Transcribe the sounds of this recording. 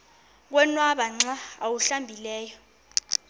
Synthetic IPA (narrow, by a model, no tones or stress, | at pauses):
k̬wɛnwaɓaŋ͡ǀaawuɬambʱilɛːjɔ